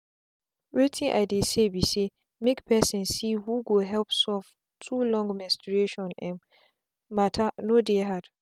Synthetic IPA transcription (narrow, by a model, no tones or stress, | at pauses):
wetʰĩŋʔa̰jdesebise | mekpɛsɛ̃nsihuɡoɦɛlpsɔf | tʰulɔ̃ŋɡmɛ̃nstɹeʃɔ̃nɛ̃m | matʰanodeɦad̥